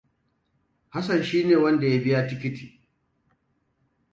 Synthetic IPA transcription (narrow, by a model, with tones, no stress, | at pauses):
ha˦sɐ˨nʃiː˦neː˨wɐ˦nda˨ja˦bɪ˦ja˦tɪ˦kʲɪ˦ti̥ː˨